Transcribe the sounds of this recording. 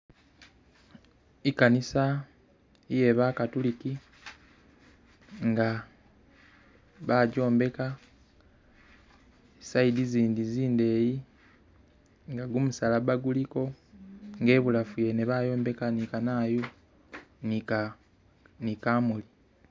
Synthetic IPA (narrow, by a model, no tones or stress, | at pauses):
ikanisa | ije̞βakatuliki | ŋɡa | βaːɟo̞ːmbe̞ka | saidiziːndiziːnde̞ːji | ŋɡaɡumusalaβaɡuliko̞ | ŋɡe̞ːβulafuje̞neβaːjo̞ːmbe̞kanikanaːju | ni | nikaːmuli